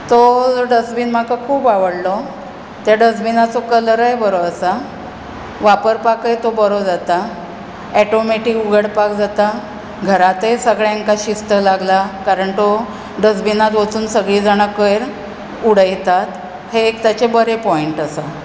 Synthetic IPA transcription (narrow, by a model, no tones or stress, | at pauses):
t̪od͡zɖəsbiːnm̤akakʰuːbaʋəɽlɔ | t̪jaɖəsbinat͡sokələɾəjbəɾoəsa | ʋapəɾpakəjt̪obəɾod͡zat̪a | ɛʈomeʈikuɡəɽpakd͡zat̪a | ɡʱəɾat̪esəɡɭjeŋkaɕist̪əlaɡlakaɾəɳt̪o | ɖəs̬binat̪ʋət͡suːnsəɡɭiːd͡zaɽ̃əkəjɾ | uɽ̤əjt̪at̪ | heːkt̪jat͡ɕebəɾepɔiɳʈəsa